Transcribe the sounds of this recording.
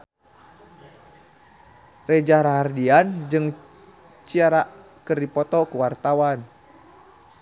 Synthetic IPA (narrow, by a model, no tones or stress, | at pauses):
red͡ʒaɾaɦardiand͡ʒɨŋ | t͡ʃiaɾaʔ | kɨrdipɔt̪ɔkuwart̪awan